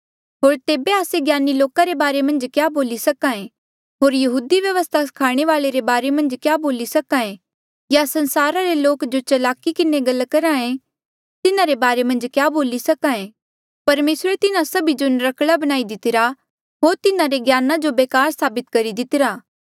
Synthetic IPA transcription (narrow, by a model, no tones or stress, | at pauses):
ɦoːɾt̪eːbeaːseɡjaːniloːkaɾebaːɾemɐ̃nd͡ʒkjaːboːlisɐkãẽ | ɦoːɾjɐɦuːd̪iʋjɐʋəst̪ʰakʰaːɽ̃eʋaːleɾebaːɾemɐ̃nd͡ʒkjaːboːlisɐkaẽ | jasɐ̃nsaːɾaɾeloːkd͡ʒot͡ʃɐlaːkikɪneɡɐlkɐɾaẽ | t̪ɪnãɾebaːɾemɐ̃nd͡ʒkjaːboːlisɐkaẽ | pɐɾmeːsɾet̪ɪnãsɐbid͡ʒonɾɐkɽabɐñaːid̪ɪt̪ɪɾa | ɦoːɾt̪ɪnãɾeɡjaːnad͡ʒobeːkaːɾsaːbɪt̪kɐɾid̪ɪt̪ɪɾaː